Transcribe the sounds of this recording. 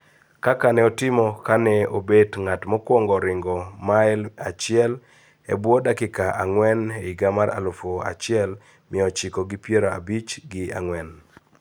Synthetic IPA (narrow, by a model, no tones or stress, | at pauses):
kakanɛɔtɪmɔkanɛobedŋatmɔkwɔŋɡɔɾɪŋɡɔmaɪlat͡ʃɪɛl | ḛbwɔdakɪkaʔaŋwɛneiɡamaɾa̰lʊfoa̰t͡ʃɪɛl | mɪɔt͡ʃikoɡipjeɾoa̰bit͡ʃɡɪa̰ŋwɛn